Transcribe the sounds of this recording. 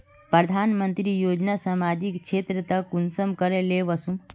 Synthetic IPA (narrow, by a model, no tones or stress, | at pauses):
pɾəd̪ʱanmənt̪ɾijoːd͡ʒnasamad͡ʒikt͡ʃʰet̪ɾət̪əkːunsəmkəɾeleʋəsũm